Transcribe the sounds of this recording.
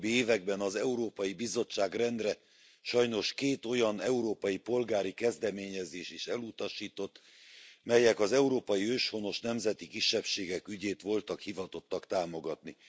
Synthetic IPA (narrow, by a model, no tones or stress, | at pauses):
bːieːvɛɡ̚bɛnɒzɛuɾoːpɒjibizo̞t͡ʃːaːɡrɛnd̪rɛ | ʃɒjno̞ʃkeːt̪o̞jɒnɛuɾoːpɒjipo̞lɡaːɾikɛzd̪ɛmeːɲɛzeːʃeːʃɛlut̪ɒʃiːt̪o̞t̪ː | mɛjɛkɒzɛuɾoːpɒjiøːʃho̞no̞ʃnɛmzɛt̪ikiʃːɛpʃeːɡɛkyɟeːt̪ʋo̞lt̪ɒkhivɒt̪o̞t̪ːɒkt̪aːmo̞ɡɒt̪ni